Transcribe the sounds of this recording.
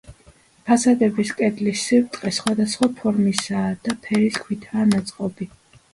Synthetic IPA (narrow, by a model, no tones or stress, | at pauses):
pʰasad̪ɛbiskʼɛd̪lisivt̪ʼqʼɛsχwad̪asχwapʰɔɾmisaːd̪̥apʰɛɾiskʰwit̪ʰaːnat̪sʼqʼɔbi